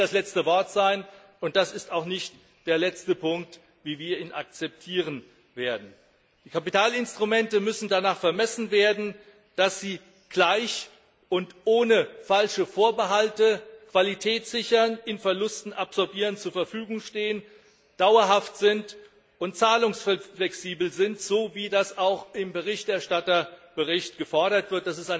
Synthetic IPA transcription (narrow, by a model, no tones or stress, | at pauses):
d̥aslɛt͡stəvɔɐtz̥aɪn | ʊnt̚d̥asɪstaʊxnɪçt | d̥eːɐlɛt͡stəpʊŋk̚t | viːviːɐiːnʔa̰k̚t͡sɛp̚tʰiːʁ̞ən | veːɐdn̩ | d̥iːkʰapitaːlɪnstʁ̥umɛntəmʏsn̩danaːχfɛɐmɛsn̩veːɐdn̩ | d̥asz̥iː | ɡ̥laɪç | ʔʊntʔoːnəfalʃəfoːɐbəɦaltəkv̥alitʰɛːtz̥ɪçɐnɪnfɛɐlʊstn̩ʔapz̥ɔɐbiːʁənt͡suːɐfɛɐfyːɡʊŋʃteːən | d̥aʊɐɦaftz̥ɪnt | ʔʊntt͡saːlʊŋsfflɛksiːbl̩zɪntz̥oːviːdasaʊxɪmbəʁɪçtɛɐʃtatɐb̥əʁɪçtɡ̥əfɔɐɾɐtv̥ɪɐt̚d̥asɪstaɪ